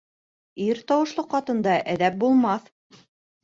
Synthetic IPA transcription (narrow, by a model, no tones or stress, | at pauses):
iɾt̪ɑwɤ̆ʃlˠɤqːɑt̪ɤ̆nd̪ɑʔæðæp̚bulˠmɑθ